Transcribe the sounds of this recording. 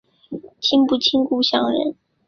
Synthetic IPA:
t͡ɕʰi˥ŋpu˥˩t͡ɕʰi˥ŋku˥ɕjɑ˥˩ŋɻə̰˧˥n

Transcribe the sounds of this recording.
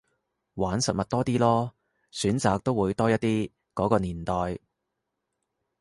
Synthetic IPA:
waː˨˥nsɐ˨t̚mɐ˨t̚t̪ɔː˥t̪iː˥lɔː˥ | syː˨˥nt͡saː˨˧k̚t̪o˥wuː˨˧jt̪ɔː˥jɐ˥t̚t̪ːiː˥ | kɔː˨˥kɔː˧niː˨˩nt̪ɔː˨j

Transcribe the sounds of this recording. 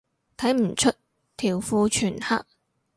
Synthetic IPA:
t̪ʰɐ˨˥jm̩˨˩t͡ʃʰɵ˥t̚ | t̪ʰiː˨˩wfuː˧t͡ʃʰyː˨˩nha̰˥k̚

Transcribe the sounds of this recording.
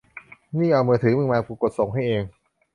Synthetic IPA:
niː˥˩ʔa˧wmɤː˧t̪ʰɯː˩˦mɯ˧ŋmaː˧kuː˧ko˨˩t̪̚so˨˩ŋɦa˥˩jʔeː˧ŋ

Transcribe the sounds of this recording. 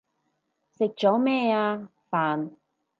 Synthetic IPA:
sɪ˨k̚t͡ʃɔː˨˥mɛː˥˧aː˧ | faː˨n

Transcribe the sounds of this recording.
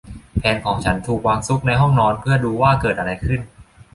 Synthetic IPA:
pʰɛː˧nkʰɔː˩˦ŋt͡ɕʰa˦˥nt̪ʰuː˨˩k̚waː˧ŋsu˦˥k̚na˧jɦɔ˥˩ŋnɔː˧npʰɯ˥˩ɐduː˧waː˥˩kɤː˨˩t̪̚ʔa˧ɾa˧jkʰɯ˥˩n

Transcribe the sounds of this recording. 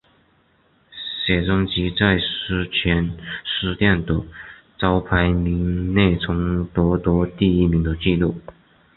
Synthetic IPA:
ɕjɛ˨˩t͡sʊ˥ŋt͡ɕi˧˥t͡sa˥˧ɪʂ̩˥t͡ɕʰɥɛ˧˥nʂɻ̩˥˧t̪jɛ˥˩nd̪ə˨˩ | t͡sɑ˥ʊpʰa˧˥ɪmi˧˥ŋne˥˩ɪt͡sʰʊ˧˥ŋt̪wɔ˧˥t̪wɔ˧˥t̪i˥˧i˥mi˧˥ŋd̪ə˧t͡ɕi˥˧lu˥˩

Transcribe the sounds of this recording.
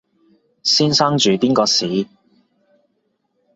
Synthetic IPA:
siː˥nsa˥ŋt͡ʃyː˨˧piː˥nkɔː˧siː˨˦

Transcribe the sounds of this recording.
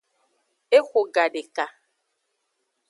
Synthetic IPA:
e˦xʷo˨ɡa˨ɖe˨ka˨

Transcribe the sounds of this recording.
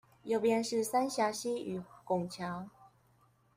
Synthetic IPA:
jo˨˩ʊpjɛ˧˦nʂɻ̩˥˨sa˦˥nɕja˧˥ɕi˦y˨˩kʊ˨˩ŋt͡ɕʰja˨˦ŋ

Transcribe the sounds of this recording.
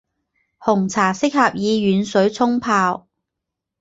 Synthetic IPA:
hʊ˨˩ŋt͡sʰaː˨˩sɪ˥k̚hɐ˨p̚jiː˨˧ɥyː˨˧nsɵ˨˥ɥt͡sʰʊ˥ŋpʰaː˧w

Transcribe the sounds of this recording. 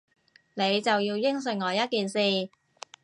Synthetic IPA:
ne˨˧jt͡sɐ˨wjiː˧wjɪ˥ŋs̬ɵ˨˩ŋŋɔː˨˧jɐ˥t̚kiː˨nsiː˨

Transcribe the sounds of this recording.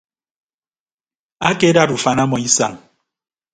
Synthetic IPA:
a˦ke˦da˦du˨fa˨na˦mɔ˨i˦sa̰˨ŋ

